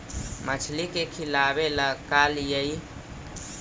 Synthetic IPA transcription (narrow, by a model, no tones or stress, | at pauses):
mət͡ʃʰlikekʰilabeləkaljəi